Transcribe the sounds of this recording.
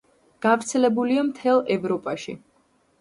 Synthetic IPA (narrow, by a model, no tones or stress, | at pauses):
ɡ̥avɾt̪sʰɛlɛbuliamt̪ʰɛlˠɛvɾɔpʼaʃḭ